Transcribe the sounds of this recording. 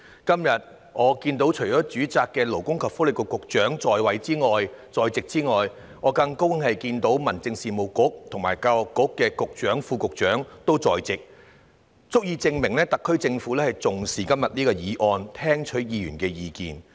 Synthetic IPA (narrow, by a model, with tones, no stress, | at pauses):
kɐ˥mjɐ˨t̚ | ŋɔː˨˧kiː˧nt̪o˨˥wt͡ʃʰɵ˨˩t͡ʃɔː˨˥t͡ʃyː˨˥t͡saː˨kːɛː˧lo˨˩wkʊ˥ŋkʰɐ˨p̚fuː˨˥lɪ˨˩kɔ˧kʊ˨k̚t͡ʃœː˨˥ŋt͡sɔː˨jwɐ˨˥jt͡siː˥ŋɔː˨jt͡sɔː˨jt͡sɪ˨k̚t͡siː˥ŋɔː˨˩j | ŋɔː˨˧kɐ˧ŋko˥wŋhɐ˨jkiː˧nt̪o˨˥wmɐ˨˩nt͡sɪ˧ŋsiː˨mo˨wkʊ˨˥k̚t̪ʰŋmaː˨˩jkaː˧wɔ˨kːʊ˨˥kːɛː˧kʊ˨k̚t͡ʃœː˨˥ŋfuː˧kʊ˨k̚t͡ʃœː˨˥ŋt̪o˥wt͡sɔː˨˩jt͡sɪ˨k̚ | t͡sʊ˥k̚jiː˧t͡sɪ˧ŋmɪ˨˩ŋlɛː˥t̪ɐ˨kʰːɵ˥ɥt͡sɪ˧ŋfuː˨˥lɛː˥hɐ˨˩jt͡sʊ˨ŋsiː˨˩kɐ˥mjɐ˨t̚niː˥kɔː˧jiː˨˧ʔɔː˧nt̪ʰɛː˥ŋt͡ʃʰɵ˨˥ɥjiː˨˧jy̰ː˨˩nkɛː˧jiː˧kḭː˨n